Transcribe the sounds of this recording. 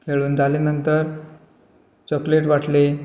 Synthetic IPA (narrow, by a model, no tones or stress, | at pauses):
kʰeɭuːnd͡zʱalenənt̪əɾ | t͡ɕɔkleʈ̬ʋaʈle